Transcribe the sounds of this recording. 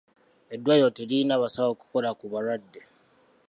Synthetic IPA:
edwajoteɾinaβasaβoku̥kolakuβaɾadːe

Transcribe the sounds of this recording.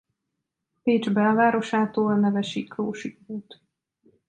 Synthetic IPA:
peːd͡ʒbɛlvaːɾo̞ʃaːt̪oːlnɛvɛʃikɾoːʃikɾuːt̪

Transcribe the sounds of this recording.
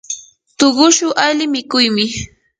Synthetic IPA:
t̪oɢʊʃʊʔalɪmɪkʊjmɪ

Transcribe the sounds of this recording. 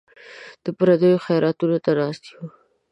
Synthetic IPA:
d̪̥əpɾad̪əjoxajɑɾɑt̪unot̪anɑst̪i̥ho

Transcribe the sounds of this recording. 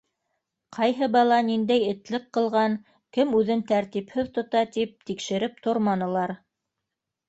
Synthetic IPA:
qʰɑjɦɤbɑlˠɑnind̪æjɘ̆t̪lɘqqːɤ̆lˠʁɑŋ | kɘmʉðɘnt̪æɾt̪iphɘðt̪ŏt̪ɑt̪ip̚t̪ikʃɘ̆ɾɘp̚t̪oɾmɑnɤ̆lˠɑɾ

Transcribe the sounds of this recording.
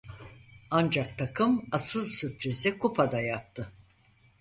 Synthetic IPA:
and͡ʒakt̪ʰakʰɯmasɯlˠsypɾizɛkʰupʰad̪ajap̚t̪ʰɯ

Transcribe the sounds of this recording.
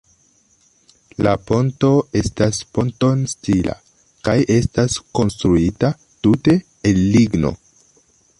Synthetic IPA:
lapo̞nto̞e̞staspo̞nto̞nstila̰ | kajʔe̞stasko̞nstɾuita | tute̞ | enːiɡno̞̰

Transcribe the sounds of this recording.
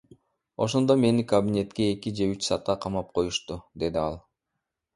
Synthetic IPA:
o̞ʃo̞nd̪o̞me̞nikɐbʲinʲe̞t̪ke̞ːkʲid͡ʒe̞yt͡ʃsɑt̪̚qɑqʰɑmɑp̚qʰo̞juʃt̪ud̪e̞d̪iɑlˠ

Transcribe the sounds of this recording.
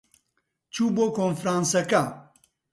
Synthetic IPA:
t͡ʃʰuːboːkoːnfɾaːnsɐkɐ

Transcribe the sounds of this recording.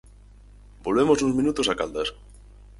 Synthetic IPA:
bolβemosũzmĩnut̪osakald̪as

